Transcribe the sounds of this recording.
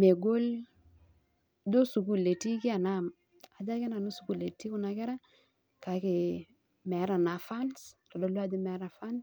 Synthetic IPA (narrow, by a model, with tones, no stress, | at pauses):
me˨ɡo˦l | do˦su˨ku˦˨lːe˨ti˦ki˦a˨na˦˨m | a˨d͡ʒa˦kɛ˦na˨no˦su˨ku˦le˨ti˦ku˦na˨kɛ˦ɾa˦ | ka˨˦kɪ˨ | mɛ˨˦ɾa˨na˨fa˦nstɔ˨do˦la˦d͡ʒi˦mɛ˨˦ɾa˨fa˦ns